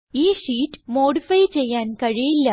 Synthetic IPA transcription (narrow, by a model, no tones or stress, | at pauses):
iːʂiːʈmoːɽɪfɐjt͡ʃɛjːaːnkɐɻijɪlːɐ